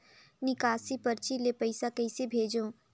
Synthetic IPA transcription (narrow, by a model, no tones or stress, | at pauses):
nɪkaːsipɐɾt͡ʃilepɐɪsakɐɪsebʱeːd͡ʒõː